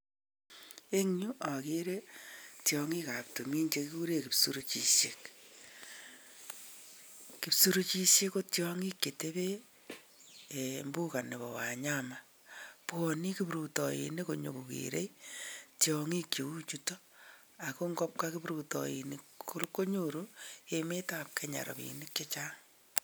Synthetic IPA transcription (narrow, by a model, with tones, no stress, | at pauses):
e˦ŋɲu˦ʔa˨ke˦ɾe˦tjɔŋi˦ka˨p̚to˨mi˦ɲt͡ʃe˦kku˦ɾe˦ki˨psu˦ɾo˦t͡ʃi˨ʃe˨k | ki˨psu˦ɾo˦t͡ʃi˦ʃe˦ko˦tjɔ˦ŋi˦kːe˨te˦βe˦˨ | mbu˦ka˨ne˨βɔ˨wa˨ɲa˦ma˨ | pɔ˨ni˦ki˦pɾu˨tɔ˨jḭ˨ne˦ko˨ɲo̰˨ku˨kḭɾḛ˦itjɔŋi˦kje˨u˦t͡ʃu˦to˦ | a˨ko˦ŋɡɔ˦p̚ka˦ki˦bɾu˨tɔ̰ji˨niku˦ɾu˦kːo˦ɲoɾueme˦ta˨p̚kʰe˦ɲa̰˨ɾɔ̰˨βḭ˨ni˦kjo˦t͡ʃaː˦ŋ